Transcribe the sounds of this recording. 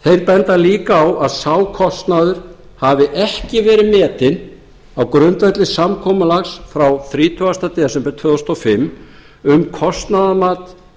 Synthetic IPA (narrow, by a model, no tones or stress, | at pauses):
θejɾpɛnt̪aliːkaːwaðsaːwkʰɔst̪naðʏɾ̥ | havɪʔɛhcɪvɛːɾɪmɛːt̪ɪn | awkɾʏnt̪vat̪lɪsamkʰɔːmalaxsfɾawθɾiːt̪ʰʏast̪at̪ɛsɛmpɛt̪ʰvœːðɔst̪ɔfɪmː | ʏmkʰɔst̪naðamaːt̪